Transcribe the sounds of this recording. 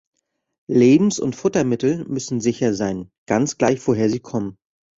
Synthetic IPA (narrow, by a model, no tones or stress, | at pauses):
leːbm̩sʊ̰ntfʊtɐmɪtl̩mʏsn̩zɪçɐzaɪnɡ̥ant͡sɡ̥laɪçv̥oɦeːɐziːkʰɔmən